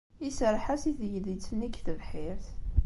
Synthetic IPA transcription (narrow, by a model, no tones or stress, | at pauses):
isəɾˤħæsiθjlit͡sːənikθəvħɪɾθ